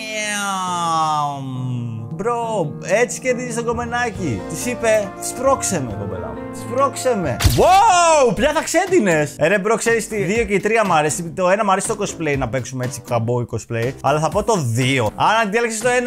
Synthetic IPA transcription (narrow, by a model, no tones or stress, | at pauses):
bɾo | e̞t͡si̥ce̞ɾðizest̪oɡo̞me̞nɐcit̪isipe̞t̪i̥spɾo̞kse̞mḛt̪obḛlɐ̰t̪ispɾokse̞me̞̰wawpçɐθɐkse̞d̪ine̞seɾebɾo̞kse̞ɾist̪iðio̞ce̞it̪ɾiɐmɐɾesit̪oe̞nɐmɐɾesi̥t̪o̞ko̞sple̞inɐpe̞ksumee̞t͡sikɐbo̞ikosple̞iɐ̰lɐθɐpo̞t̪o̞ðio̞ɐnɐt̪ieleksist̪oe̞n